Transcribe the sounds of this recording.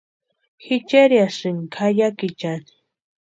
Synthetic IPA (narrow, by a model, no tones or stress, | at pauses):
xit͡ʃeɾjasɨŋkʰajakit͡ʃani̥